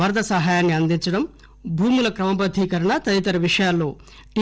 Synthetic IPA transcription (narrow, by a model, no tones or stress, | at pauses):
ɐɾd̪ɐsɐɦaːjaːnːiɐnd̪iɲt͡ʃɐɽɐm | bʱuːmulɐkɾɐmɐpɐd̪ʱiːkɐɾɐɳɐt̪ɐd̪it̪ɐɾɐʋiʂɐjaːlːo̞ː | ʈi